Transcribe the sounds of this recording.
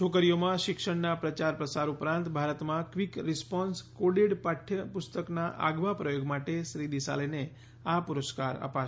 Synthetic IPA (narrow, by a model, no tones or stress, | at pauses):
t͡ʃʰokəɾijomãʃɪkʃəɽnapɾət͡ʃaɾpɾəsaɾupɾãnt̪bʱaɾət̪mãkʋikɾɪspɔnskoɖeɽpaʈʰːjəpʊst̪əknaʔa̰ɡʋapɾəjoɡmaʈeʃɾid̪isa̰lene | apuɾəskaɾə̰pa